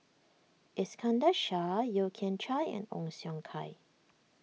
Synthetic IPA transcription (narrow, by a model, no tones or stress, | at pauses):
ʔɪskʰãndaʃajokʰɛ̃ntʰɹajɛ̰̃nɔ̰̃ŋsjɔ̃ŋkʰa̰j